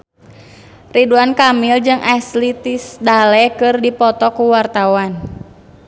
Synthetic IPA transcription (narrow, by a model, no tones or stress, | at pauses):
riduankamild͡ʒɨŋʔaslit̪isdalɛkɨrdipɔt̪ɔkuwart̪awan